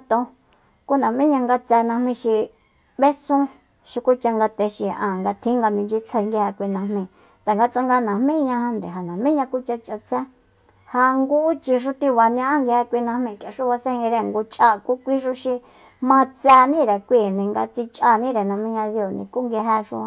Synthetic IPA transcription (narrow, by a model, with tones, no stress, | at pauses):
t̪õ˧ | ku˦nã˨mĩ˦ɲã˧ŋɡa˧t͡sɛ˧nã˧mĩ˧ʃi˧ | βe˦sũ˦ | ʃi˧ku˦t͡ʃa˧ŋɡa˧t̪e˧ʃi˧˨ʔã˧˨ŋɡa˧t̪ʰĩ˦ŋɡa˧mĩ˧d͡ʒi˦t͡sʰe˧ŋɡi˧hɛ˧kʷi˧nã˧mĩ˧˨ | t̪a˨ŋɡa˧t͡sa˧ŋɡa˧nã˨m̥mĩ˦ɲã˧hã˧nd̪e˨ɦa˨nã˨mĩ˦ɲã˧ku˦t͡ʃa˧t͡ʃʔa˧t͡sɛ˦ | ha˧ŋɡu˦t͡ʃi˧ʃ̬u˧t̪ĩ˧βa˨ɲã˦ʔã˦ŋɡi˧he˧kʷi˧nã˧hmĩ˧˨t͡ʃa˨ʂu˦βa˧sẽ˦˧hĩ˧ɾe˧˨ŋɡo˧t͡ʃʼʔa˧˨ku˦kʷi˦ʃu˧ʃi˧ | mã˧t͡sɛ˧nĩ˦ɾe˨kʷi˦˨nĩ˧ŋɡa̰˧t͡si˧t͡ʃʼʔa˧nĩ˦ɾe˨nã˧mĩ˦ɲã˧ðjo˧˨nḭ̃˧ku˦ŋɡi˧ɦɛ˧ʂṵ̃˧